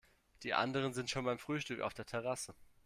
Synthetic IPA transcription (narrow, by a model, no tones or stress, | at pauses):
d̥iːʔa̰ndəʁ̞ənzɪntʃoːnbaɪmfʁ̥yːʃtʏka̰ʊfd̥eːɐtʰɛʁ̞asə